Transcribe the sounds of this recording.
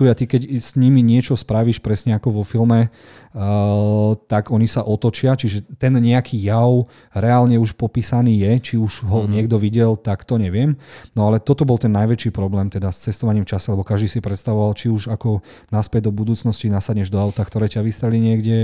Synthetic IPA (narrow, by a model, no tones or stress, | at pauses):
t̪ujat̪ikɛɟsɲimiɲɪɛt͡ʃɔspɾaʋiʃpɾɛsɲɛakɔʋɔfilmɛ | t̪aɡɔɲisaʔɔt̪ɔt͡ʃɪat͡ʃiʒɛt̪ɛnɲɛakʰiːjaʊ | ɾɛaːlɲɛuʃpɔpiːsaniːjɛt͡ʃiuʒɦɔɲɪɛɡd̪ɔʋiɟɛlt̪akt̪ɔɲɛʋɪɛmnɔalɛt̪ɔt̪ɔbɔlt̪ɛnːajʋɛt͡ʃiːpɾɔblɛːmt̪ɛd̪ast͡sɛst̪ɔʋaɲiːmft͡ʃasɛlɛbɔkaʒd̪iːsipɾɛt̪st̪aʋɔʋalt͡ʃiuʒakɔ | naspɛɟ̚d̪ɔbud̪uːt͡snɔscinasadɲɛʒd̪ɔawt̪akt̪ɔɾɛːcaʋist̪ɾɛliɲɪɛɡɟɛ